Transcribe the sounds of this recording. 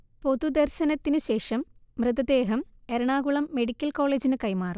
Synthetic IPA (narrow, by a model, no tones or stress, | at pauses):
po̞d̪ud̪ɐrɕɐnɐt̪ːinɨɕe̞ːʂɐmːrɨðɐd̪e̞ːɦɐmeɾuɳaːɣuɭɐmːe̞ɽikʲːɐlko̞ːɭeːd͡ʑinɨkɐjmaːrum